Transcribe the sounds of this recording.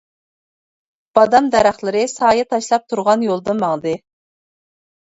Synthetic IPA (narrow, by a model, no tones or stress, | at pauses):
b̥ɑd̪ɑmd̪ɛɾæχlˠɨɾɨsɑːjɑt̪ʰɑʃlˠɑp̚t̪ʰuɾʁɑnjolˠd̪ɨnmɑŋd̪ɨ